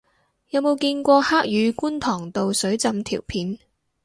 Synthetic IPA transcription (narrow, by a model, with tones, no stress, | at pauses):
jɐ˨˧wmo˨˧wkiː˧nkʷɔː˧haː˥k̚jyː˨˧kuː˥nt̪ʰɔː˨˩ŋt̪o˨wsɵ˨˥ɥt͡sɐ˧mt̪ʰḭː˨˩wpʰiː˨˥n